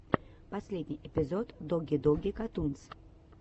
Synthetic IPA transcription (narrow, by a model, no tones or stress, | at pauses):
pɐsʲlʲed̪ʲnʲɪjʔɪpʲɪzot̪d̪oɡʲɪd̪ɔɡʲɪkɐt̪unt̪s